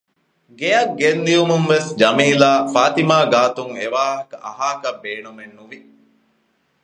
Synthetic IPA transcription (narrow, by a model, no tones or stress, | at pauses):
ɡejɐɡːend̪iumuŋʋesd͡ʒɐmiːlaːfaːt̪imaːɡaːt̪uŋeʋaːɦɐkɐʔɐ̰ɦaːkɐbːeːnumenːuʋi